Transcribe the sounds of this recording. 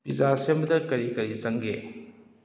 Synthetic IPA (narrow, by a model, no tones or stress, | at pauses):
pizasembɐdɐkɐɾikɐɾizɐŋɡe